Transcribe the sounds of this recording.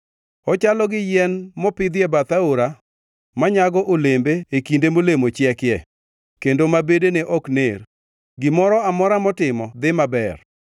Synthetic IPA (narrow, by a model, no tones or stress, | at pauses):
ɔt͡ʃalɔɡɪjɛnmɔpɪd̪ɪjɛbat̪aoɾa | maɲaɡɔʔolembeːkindemolemot͡ʃjɛkjɛ | kendomabedeneʔɔkner | ɡɪmɔɾɔamɔɾamɔtɪmɔd̪ɪmabɛr